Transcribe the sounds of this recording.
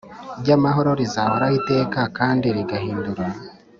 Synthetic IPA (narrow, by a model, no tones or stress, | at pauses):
iɾɟamaɦo̞ɾo̞ɾizahoɾaite̞ːkakaːndiɾiɡahiːnduɾa